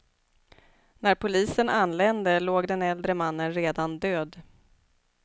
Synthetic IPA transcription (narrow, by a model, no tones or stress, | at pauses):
næɾpʰʊliːsənʔanlɛnd̪əloːɡd̪ɛnɛld̪ɾəmanːənɾeːd̪and̪øːd̪